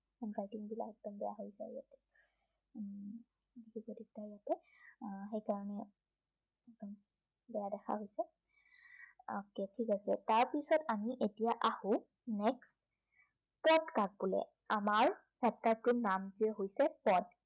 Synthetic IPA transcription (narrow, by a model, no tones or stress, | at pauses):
anɡatiŋbila̰kɛdɔnbɛja̰ɦojsɛ̰ɹijatɛ̥ | dikʰikodik̚taijatɛ | ɦejkaɹɔnɛ | ɛkdɔn | bɛjadɛxʰa̰ɦojsɛ | ɔ̰kɛtʰikasɛ̰taɹpisɔtamiʔetijaʔahʊ̃ | nɛks | pɔdkaɡ̚bulɛ̰ | amaɹ | sɛtːaɹtʊnamziɛɦojsɛpɔd